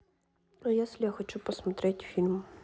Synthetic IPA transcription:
ɐjasʲlʲaxɔt͡ʃupɔsmɐt̪ɾɛtʲfʲilʲm

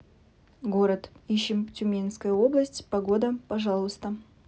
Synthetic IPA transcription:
ɡo̞ɾət̪iɕːɪmtʲʊmʲenskəjʊo̞blˠəsʲtʲpɐɡo̞d̪əpɐʐɑlˠəst̪ə

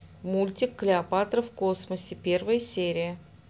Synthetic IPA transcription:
mulʲtʲɪkːlʲɪɐpat̪rəfko̞sməsʲɪpʲe̞rvəjsʲeɾʲɪjə

